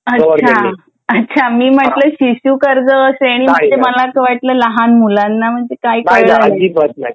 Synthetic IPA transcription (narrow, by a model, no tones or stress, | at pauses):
əət͡ɕʰa | ətːɕʰamiːm̤əʈləːɕiɕuːkəɾd͡zəːsaɽ̃iːməd͡zeməlakəʋaʈləːləɦanmulanːam̤əɳd͡zekajkəɭəit